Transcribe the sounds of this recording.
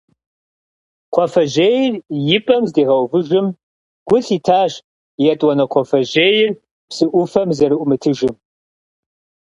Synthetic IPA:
qʷʰɔfɐʑejɪrjɪpʼɐmzdeːʁɐwvɨʒɪm | ɡ̥ʷʊɬiːtʰaːʒ | jɛtʼwɐnɐqʷʰɔfɐʑeːjɪr | psɨʔʷʊfɐmzɐɾɨʔʷʊmɨtʰɨʒɨm

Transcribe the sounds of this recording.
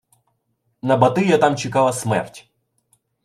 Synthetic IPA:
nɐbɐt̪ɪjɐt̪ɑmt͡ʃɪkɑlˠɐsmɛ̰rtʲ

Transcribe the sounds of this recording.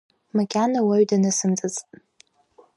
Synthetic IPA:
makʲʼanawaɥdanɨsɨmd͡zʼɨt͡sʼtʼ

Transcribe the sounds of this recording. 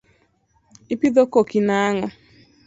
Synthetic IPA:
ɪpiðokokinaŋɔ

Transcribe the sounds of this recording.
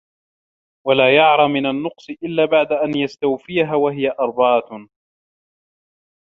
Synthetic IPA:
walaːjɑʕɾˤɑmɪnanːʊqsˤɨʔɪlːaːbaʕd̪aʔanjast̪awfɪjaɦaːwaɦɪjaʔɑɾˤbɑːt̪

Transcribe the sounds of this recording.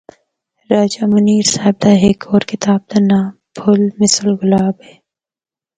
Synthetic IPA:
ɾaːd͡ʒaːmɐniːɾsaːɪb̚d̪aɦeːkoːɾkɪt̪aːb̚t̪ɐnaː | bʰʱʊlmɪsəlɡʊlaːbɦɛː

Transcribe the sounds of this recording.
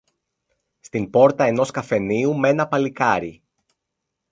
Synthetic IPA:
st̪impo̞ɾt̪ɐe̞no̞skɐfe̞niume̞nɐpɐlikɐɾi

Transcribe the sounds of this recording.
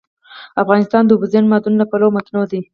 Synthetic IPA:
afɣɑnɪst̪ɑnd̪əʊbuzenmɑd̪unlapalomat̪nod̪i

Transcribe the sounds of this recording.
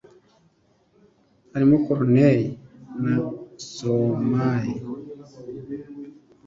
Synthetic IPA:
haɾimukɔɾnejinasomaji

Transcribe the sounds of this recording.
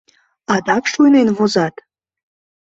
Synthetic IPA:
ɑd̪ɑkʃujnenvozɑt̪

